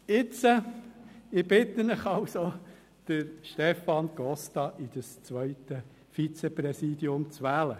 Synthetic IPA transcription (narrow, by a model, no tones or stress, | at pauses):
ɪt͡sə | ɪb̥ɪt̪ənɪχɑlso | d̪̥əɾʃtɛfɑnɡ̥ɔst̪ɑʔid̥̪əst͡sʋœʏt̪ə | fit͡seprɛsiːd̥̪iʊmt͡sʋæːlə